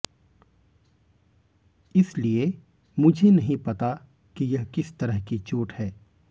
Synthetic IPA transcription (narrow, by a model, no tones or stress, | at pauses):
ɪslie | mʊd͡ʒʱenɐɦĩpɐt̪a | kijɐɦkɪst̪ɐɾəɦkit͡ʃuːʈhɛː